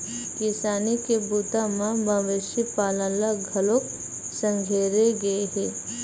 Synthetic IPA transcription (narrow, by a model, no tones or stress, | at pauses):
kɪsaːnikebuːt̪amãbʱaʋɪʃipaːləlaɡʱɐlok | sə̃ŋɡʱeːɾeɡɐeɦɛː